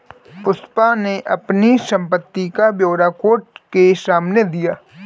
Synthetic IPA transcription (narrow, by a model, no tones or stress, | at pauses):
pʊspaneʔɐ̰pnisə̃mpət̪ːikabjoːɾakoːʈ̚kesaːmned̪ijaː